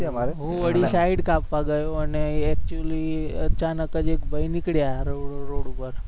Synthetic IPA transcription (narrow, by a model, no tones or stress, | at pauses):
maɾɦũʋəɽisaiɖkapʋaɡəjoəneɛk̚t͡ʃuəliət͡ʃanəkəd͡ʒekbʱəjnikɽjaɾoɾoɽupəɾ